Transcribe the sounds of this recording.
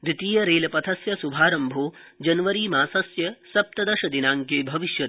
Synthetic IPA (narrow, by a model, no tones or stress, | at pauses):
d̪ɾit̪iːjɐɾeːlɐpɐt̪ʰɐsjɐsubʱaːɾɐmbʱoːd͡ʒɐnʋɐɾiːmaːsɐsjɐsɐp̚t̪ɐd̪ɐʃɐd̪inaːŋkeːbʱɐʋiʃjɐ